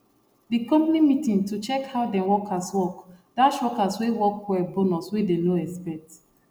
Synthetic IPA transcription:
dikɔ̃mpnimitĩŋtut͡ʃɛkhaʊdɛ̃wɔkʰaswɔkdaʃɔkaswewɔkwɛbonɔswedenoɛspɛt

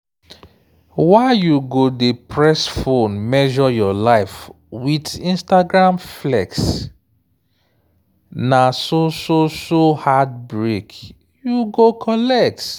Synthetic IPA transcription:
waɪjuɡodepʰɹɛsfõnmɛʒɔjɔlaɪf | widĩnstaɡɹãmflɛ̰ks | nasososohad̚bɹek | juɡokʰɔlɛk̚t

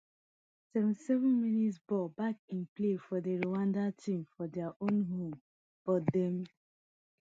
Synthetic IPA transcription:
sɛṽntisɛvɔ̃nminitsbɔlbak̚ĩnplefɔdeɹowãndatʰĩmfɔdɛaʔõnɦõm | b̥ɔdɛ̃m

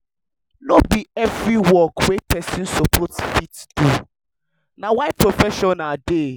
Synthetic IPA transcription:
lobiɛvɾiwɔkwepʰɛsĩnsɔpʰɔtfitd̥u | nãwaɪpɹofɛʃɔ̃nade

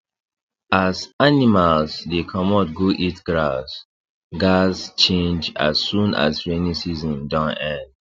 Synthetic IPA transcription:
azanimalsdekʰɔmɔtɡoʔitɡɹas | ɡast͡ʃẽnd͡ʒa̰sːũna̰sɹenĩsizɔ̃ndãnɛ̃nd

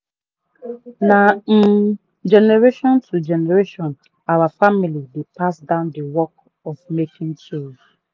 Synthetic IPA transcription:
nam̩ | d͡ʒɛnɛɹeʃɔ̃ntʰud͡ʒɛneɹeʃɔ̃n | awafamilidepasdãʊ̃ndəwɔk̚ | ɔfmekɪ̃ŋt͡ʃẽnd͡ʒ

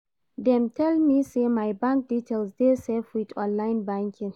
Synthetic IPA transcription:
dɛmtʰɛlmisemajbãŋk̚ditɛlsdesɛfitʰɔ̃nlajɪnbãŋkʰɪ̃ŋ

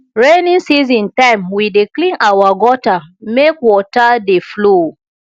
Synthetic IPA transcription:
ɹenĩnsizĩntãɪ̃mwideklĩnʔawaɡɔtamekwɔtadeflo

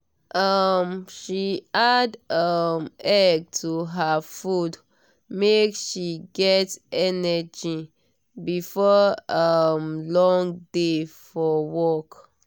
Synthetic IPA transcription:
ʔʌmʃiadʌmɛɡ̚tʰuɦafud | mekʃiɡɛtɛnəd͡ʒi | bifɔʌmlɔ̃ŋdefɔwɔk

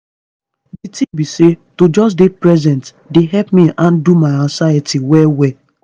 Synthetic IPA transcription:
ditĩbisetod͡ʒɔs̬depɹɛzɛ̃nt | deɦɛpmiʔãndumaɪasajɛtiwɛwɛ

